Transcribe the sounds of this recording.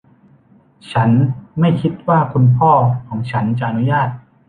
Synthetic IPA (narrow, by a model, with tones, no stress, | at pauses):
t͡ɕʰa˦˥nma˥˩jkʰi˦˥t̪̚waː˥˩kʰu˧npʰɔː˥˩kʰɔː˩˦ŋt͡ɕʰa˦˥nt͡ɕa˨˩ʔa˧nu˦˥jaː˥˩t̪̚